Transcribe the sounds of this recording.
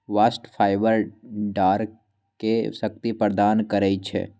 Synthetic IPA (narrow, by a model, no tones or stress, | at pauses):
ʋaːsʈpʰaːɪʋəɾɖaːɾ | kesək̚t̪ipəɾd̪aːnkəɾəit͡ʃʰɛ̰